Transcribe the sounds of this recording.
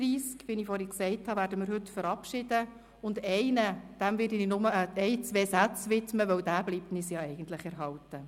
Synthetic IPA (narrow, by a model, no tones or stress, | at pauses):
ɾiːskʋinifɔːɾiksɛɪthɑʋæːɾdəmɪːɾɦɵtfəɾɑpʃɪd̥ə | ʊndɛɪnəd̥æmvɪːɾdininʊməəɛɪt͡sʋeːsæt͡sʋɪtməʋœwdæːbliːp̚tnɪsjɑːɛɪɡən̩t̪lɪχɛɾɦɑwtə